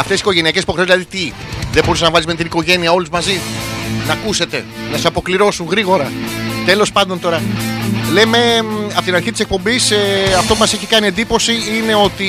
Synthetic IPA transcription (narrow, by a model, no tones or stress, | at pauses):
ɐft̪esiko̞ʝe̞niɐcesi̥po̞xɾezlɐðit̪i | ðeboɾiseznɐvɐlizmet̪iniko̞ʝe̞niɐo̞luzmɐzinɐkuse̞t̪e̞nɐsesɐpo̞kliɾo̞suŋɣɾiɣo̞ɾɐt̪e̞lo̞spɐnd̪o̞nt̪o̞ɾɐle̞me̞ɐpot̪inɐɾçit̪ise̞k̚po̞mbiseɐft̪o̞pumɐseçikɐnie̞nd̪ipo̞siine̞o̞t̪i